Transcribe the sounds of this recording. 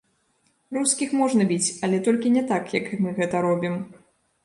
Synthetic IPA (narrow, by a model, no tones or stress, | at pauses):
ruskʲixmɔʐnɐbʲit͡sʲɐlʲɛt̪ɔlʲkʲinʲɛt̪akjɐkmɨɣɛt̪ɐɾɔbʲim